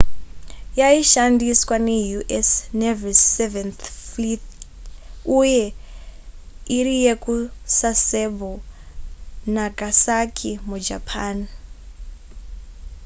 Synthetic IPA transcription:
jaiʃandiswanejuʔesnevisevɛnθflit | uje | iɾijekusasebo | naɡasakʰimud͡ʒa̰pʰaːn

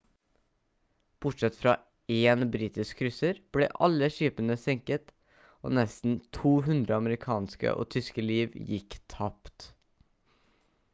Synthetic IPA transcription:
b̥ʊʈʂɛt̪fɾɑː | eːnbɾiːt̪ɪskkʰːɾʏsəɾb̥lḛːʔɑlːəʃyːpənəsɛŋkət̪ | ʔo̰ːnɛst̪n̩t̪ʰuːɦʉnd̪ɾəɑməɾɪkʰɑːnskə̰ʔo̰ːt̪ʰʏskəliːʋjɪkːt̪ʰɑpt̪

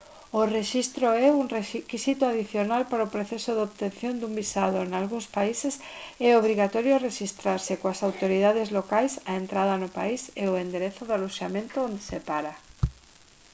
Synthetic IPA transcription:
oreʃist̪ɾoɛuŋrekisit̪oaðiθjonalpaɾaopɾoθɛsoðoβt̪ẽnθjond̪umbisað̞oenalɣuŋspaises | ɛoβ̞ɾiɣat̪ɔɾjoareʃist̪ɾaɾsɪkoasawt̪oɾiðaðezlokajsaent̪ɾaðɐnʊpa̰iseʊend̪eɾeθoðalusjamẽnt̪ʊõnd̪esepaɾa

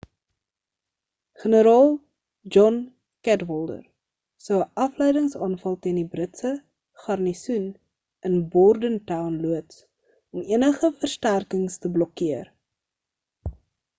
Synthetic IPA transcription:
χənəɾɑːlˠ | d͡ʒɔn | kætvɔlˠdə̰r | səwəʔɐflɛjdəŋsɑːnfɐlˠtiəndibrətsə | χɐrnisun | ənbɔrdəntɐwnluəts | ɔmiənəχəfərstærkəŋstəblɔkiər

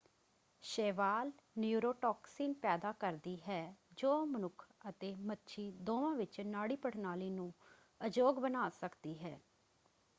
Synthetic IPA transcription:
ʃeːʋaːlnjuːɾoːʈɔːksiːnpɛːd̪aːkəɾd̪iːɦɛːd͡ʒoːmənʊkʰət̪eːmətːʃʰiːd̪oːʋãːʋɪt͡ʃnaːɽiːpəʈʰnaːliːnũː | əd͡ʒoːɡbənaːsəkd̪iːɦɛː

